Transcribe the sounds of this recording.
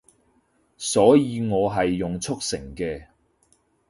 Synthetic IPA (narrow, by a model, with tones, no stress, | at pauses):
sɔː˨˥jiː˨˧ŋɔː˨˧ɦɐ˨jːʊ˨ŋt͡sʰʊ˥k̚sɪ̰˨˩ŋkɛː˧